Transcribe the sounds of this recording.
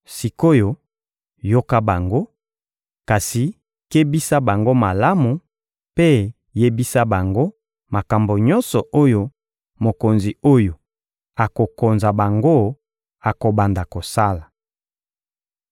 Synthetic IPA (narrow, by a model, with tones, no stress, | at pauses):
si˨ko˦jo˨ | jo˦ka˦ba˨ŋɡo˦ | ka˨si˨ | ke˦bi˦sa˦ba˨ŋɡo˦ma˨la˦mu˨ | pe˦ | je˦bi˦sa˦ba˨ŋɡo˦ | ma˨ka˨mbo˨ɲɔ˦nsɔ˨ʔo˦jo˦ | mo˨ko˨nzi˨o˦jo˨ | a˨ko˨ko˨nza˨ba˨ŋɡo˦ | a˨ko˨ba˨nda˨ko˨sa˦la˨